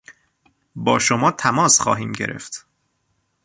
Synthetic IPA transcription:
bɒːʃomɒːt̪ʰæmɒːsxɒ̰ːɦiːmɟeɾḛft̪

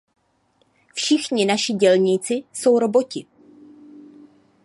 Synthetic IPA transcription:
fʃɪxɲɪnaʃɪɟɛlɲiːt͡sɪso̞wɾo̞bocɪ

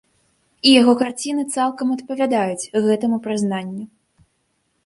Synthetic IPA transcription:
ijaɣɔkart͡sʲinɨt̪salˠkɐmɐt̪pɐvʲad̪ajut͡sʲɣɛt̪ɨmupɾɨznanʲːu

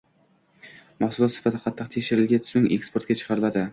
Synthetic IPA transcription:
maχsʊlɒt̪sɪ̥fat̪ʰɪ̥qʰɑt̪ʰːɨq̚t̪ʰekʲʃɪɾɪlɡʲat̪ʰsʊŋekspoɾt̪kʲat͡ʃʰɨ̥qʰɑɾɪlad̪ɪ

